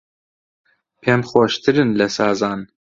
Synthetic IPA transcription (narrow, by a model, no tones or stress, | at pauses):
pʰemxoʃt̪ʰɨɾɨnlɛsɑːzɑːn